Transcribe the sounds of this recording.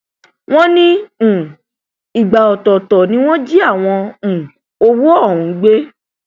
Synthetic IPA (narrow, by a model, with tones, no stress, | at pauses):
w̃ɔ̃˦nĩ˦ũ˨ | i˨ɡ͡ba˨ɔ˨tɔ˨tɔ˨nĩ˦w̃ɔ̃˦d͡ʒi˦a˦˨w̃ɔ̃˧ũ˨ | o˧wo˦ɔ˦˨ɾ̃ũ˨˦ɡ͡be˦